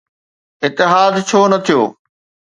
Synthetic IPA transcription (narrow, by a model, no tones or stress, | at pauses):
ɪt̪ːɪɦaːd̪t͡ɕʰoːnɐt̪ʰijo̰ː